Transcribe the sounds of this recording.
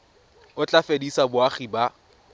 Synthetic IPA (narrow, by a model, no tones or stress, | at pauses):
ʊt͡ɬʼafedisabʊaχiba